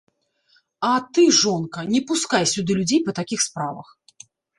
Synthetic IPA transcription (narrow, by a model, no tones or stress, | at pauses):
ɐt̪ɨʐɔnkɐnʲɛpuskajsʲud̪ɨlʲud͡zʲejpɐt̪akʲixspɾavɐ̰x